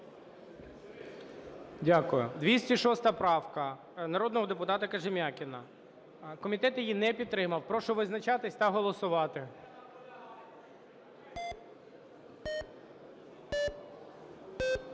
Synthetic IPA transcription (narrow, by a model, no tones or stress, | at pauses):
dʲakʊjʊ̰d̪ʋʲisʲtʲiʃɔst̪ɐpɾɑwkɐ | nɐɾɔd̪nɔɦɔd̪epʊt̪ɑt̪ɐkɐʒɪmʲakʲɪnɐ | kɔmʲit̪ɛt̪jijinɛpʲid̪t̪t̪ːɾɪmɐwpɾɔʃɔʋɪznɐt͡ʃɑt̪ɪsʲt̪ɐɦɔlˠɔsʊʋɑt̪ɪ